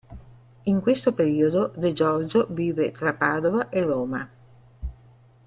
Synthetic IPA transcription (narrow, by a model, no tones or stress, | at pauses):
iŋkwest̪opeɾiːod̪od̪ed͡ʒɔrd͡ʒoviːvet̪ɾapaːd̪ovaʔeroːma